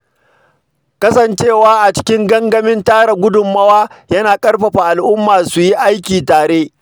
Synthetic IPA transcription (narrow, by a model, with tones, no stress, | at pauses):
kɐ˦sɐ˨nt͡ʃeː˦˨waː˦ʔa˨t͡ʃɪ̥˦kʲɪ˦ŋɡɐ˦ŋɡɐ˦mɪ˦ntaː˦ɽa˨ɡʷʊ˦dʊ˨mːɐ˦waː˦jɐ˦naː˨kʼɐ˦ɽɸɐ˨ɸa˨ʔa˨lʔʊ˦mːaː˨su˨ji˦ʔa˦jkʲiː˨taː˨ɽeː˦